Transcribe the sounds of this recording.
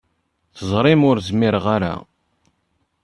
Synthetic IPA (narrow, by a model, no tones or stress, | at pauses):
θəzˤɾˤɪmʊɾzmiɾʁaɾa̰